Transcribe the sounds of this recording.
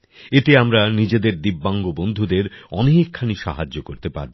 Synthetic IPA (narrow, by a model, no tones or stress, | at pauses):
et̪eamɾanid͡ʑed̪eɾd̪ibːaŋɡobond̪ʱud̪eɾɔniɦikʰːaniʃa̰ɦad͡ʑːokoɾt̪epa̰ɾb